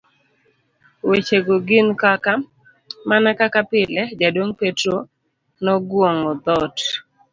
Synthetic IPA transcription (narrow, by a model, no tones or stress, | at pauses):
wet͡ʃeɡoɡɪnkaka | manakakapɪlɛd͡ʒadwoŋpetɾo | nɔɡwoŋɔd̪ɔt